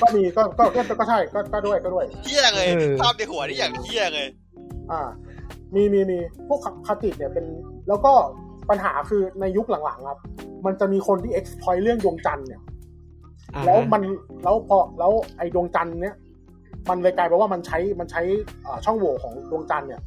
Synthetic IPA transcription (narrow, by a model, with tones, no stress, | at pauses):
kɔː˥˩miː˧kɔː˥˩kɔː˥˩kɔː˥˩kɔː˥˩t͡ɕʰa˥˩jkɔː˥˩kɔː˥˩du˥˩əjkɔː˥˩u˥˩əjʰi˥˩˨ŋɤː˧aː˥˩p̚ni˧˥˩hu˨˩˦ɐnaː˥˩jaː˨˩k̪ʰi˥˩˨ŋɤ˧j | ʔaː˧˩ | miː˧miː˧miː˧t̪ʰuː˥˩kʰa˧kʰːa˧t̪i˨˩t̪̚ni˥˩ɐpe˧nlɛː˦˥wkɔː˥˩pa˧nɦa̰ː˩˦kʰɯː˧na˧jːu˦˥k̚la˨˩˦ŋla̰˩˦ŋkʰa˦˥p̚ma˧nt͡ɕa˨˩miː˧kʰo˧nt̪ʰiː˥˩ʔe˦˥k̚spʰɔː˧˥jlɯ˥˩əŋdu˧əŋt͡ɕa˧nːi˦˩ | lɛː˦˥wma˧nlɛː˦˥wpʰɔː˧lɛː˦˥wʔa˧jdu˧əŋt͡ɕa˧nːi˦˥˩ɐ | ma˧nlaː˧jkaː˧jpɛ˧waː˥˩ma˧nt͡ɕʰa˦˥jma˧nt͡ɕʰa˦˥jʔɤː˨˩t͡ɕʰɔ˥˩ŋwoː˨˩kʰɔː˩˦ŋdu˧əŋt͡ɕa˧nːi˥˩ɐ